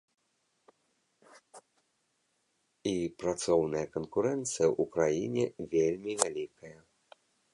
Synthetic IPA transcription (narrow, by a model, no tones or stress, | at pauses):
ipɾat̪sɔwnɐjɐkɐnkuɾɛnt̪sɨjɐʔukɾajinʲɛvʲelʲmʲivʲalʲikɐjɐ